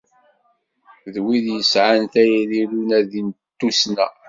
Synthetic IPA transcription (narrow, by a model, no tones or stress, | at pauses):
ðwiðjəsʕanθæjɾilunæðint̪ːusnæ